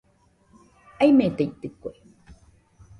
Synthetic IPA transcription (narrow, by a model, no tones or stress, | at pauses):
aimet̪eit̪ɨkoe